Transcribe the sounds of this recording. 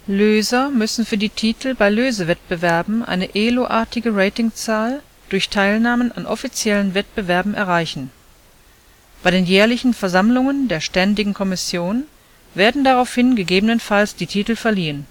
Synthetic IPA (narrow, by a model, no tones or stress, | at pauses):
løːzɐmʏsn̩fyːɐdiːtʰiːtʰl̩baɪløːzəvɛt̚b̥əvɛɐbm̩ʔa̰ɪnəʔeːloʔaːɐtɪɡəʁeɪtɪŋt͡saːl | d̥ʊɐçtʰaɪlnaːməna̰nʔɔ̰fit͡sjɛlənvɛt̚b̥əvɛɐbm̩ʔɛ̰ɐʁ̞aɪçn̩ | b̥aɪɾeːnjɛːɐlɪçn̩fɛɐzamlʊŋəndeːɐʃtɛndɪɡŋ̩kʰɔmɪsjoːn | veːɐdn̩daʁaʊfhɪnɡəɡeːbənənfalsd̥iːtʰiːtl̩fɛɐliːən